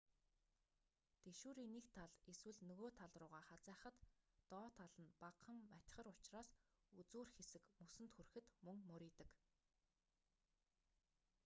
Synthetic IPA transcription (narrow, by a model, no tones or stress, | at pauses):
t̪eʃuːɾiːnekt̪ʰaɮeswɘ̆ɮnɵɣoːt̪ʰaɮrʊːʁaːχat͡sæːχə̆t̪ːɔːt̪ʰaɮə̆npaqʰə̆mmatt͡ɕ̪̆ʲχə̆ɾʊt͡ɕraːsut͡suːrxesɘ̆kmusɘ̆nt̪xurxɘ̆t̪mɵŋmɵɾʲiːt̪ə̆k